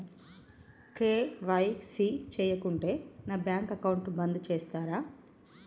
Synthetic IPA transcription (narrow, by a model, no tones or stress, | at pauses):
keːʋɐjsit͡ʃɛːjɐkuɳʈe̞ːnaːbjaːŋkɐkɐwuɳʈbɐnd̪it͡ʃɛːst̪aːɾaː